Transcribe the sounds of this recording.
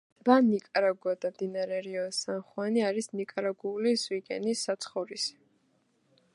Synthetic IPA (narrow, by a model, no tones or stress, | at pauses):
banikʼaɾaɡuad̪amd̪inaɾɛɾiɔsanχwaniaɾisnikʼaɾaɡuːlisviɡɛ̰nisːat̪sʰχɔvɾisi̥